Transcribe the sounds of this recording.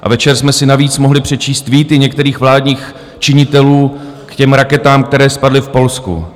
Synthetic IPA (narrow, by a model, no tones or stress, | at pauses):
ʔa̰vɛt͡ʃɛɾsmɛsɪnaviːt͡smo̞ɦlɪpr̥ɛt͡ʃiːst̪viːt̪ɪɲɛk̚t̪ɛɾiːxvlaːdɲiːx | t͡ʃɪɲɪt̪ɛluːkcɛmɾakɛt̪aːmkt̪ɛɾɛːspadlɪfpo̞lskṵ